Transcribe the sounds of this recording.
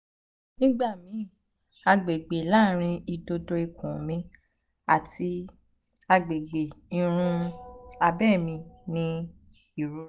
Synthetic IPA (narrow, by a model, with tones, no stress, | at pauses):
nĩ˦ɡ͡ba˦˨mĩ˨˦˨ | a˧ɡ͡be˨ɡ͡be˨la˦˨ɾ̃ĩ˧i˧do˧do˧i˧kʰũ˨mĩ˧ | a˨ti˧ | a˧ɡ͡be˨ɡ͡be˨i˨˧ɾ̃ũ˧a˧bɛ˦˨mĩ˧nĩ˧˦ | i˦˨ɾu˨˦